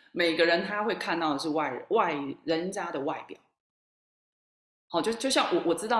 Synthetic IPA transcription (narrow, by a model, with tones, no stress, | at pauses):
me˨˩ɪ˥ɡə˧ɻə˧˦nt̪ʰa˥xwe˥˧ɪkʰa˥˧nt̪ɑ˥˩ʊd̪ə˩ʂ̬ɻ̩˥˧wa˥˩ɪwa˥˩ɪɻə˧˦nt͡ɕja˥d̪ə˨wa˥˩ɪpjɑ̰˨˩˦ʊ | hɑ˥˧t͡ɕo˥˧t͡ɕjʊɕjɑ˥˩ŋwɔ˨˩ʔwɔ˨˩ʈ͡ʂɻ̩˥t̪ɑ˥˩